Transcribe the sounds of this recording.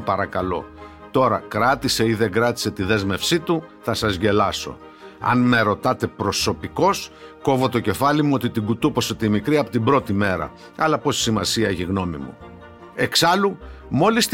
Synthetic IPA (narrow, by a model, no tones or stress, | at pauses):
pɐɾɐkɐlo̞̰ | t̪o̞ɾɐkɾɐt̪ise̞iðe̞ɡɾɐt̪i̥se̞t̪iðe̞zme̞fsit̪uθɐsɐzʝe̞lɐso̞̰ | ɐ̰nme̞ɾo̞t̪ɐt̪e̞pɾo̞so̞piko̞sko̞vo̞t̪o̞ce̞fɐlimuo̞t̪it̪iɡut̪upo̞set̪imikɾiɐpo̞t̪ibɾo̞t̪ime̞ɾɐ̰ | ɐlɐpo̞si̥simɐsiɐeçiɣno̞mḭmṵ | e̞ksɐlumo̞list̪